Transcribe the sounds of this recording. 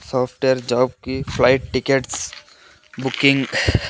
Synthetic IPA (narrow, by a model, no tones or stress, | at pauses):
sɔːfʈejaɾd͡ʒɔːb̚kifʰlajʈ̚ʈːikeʈs | bukiŋɡ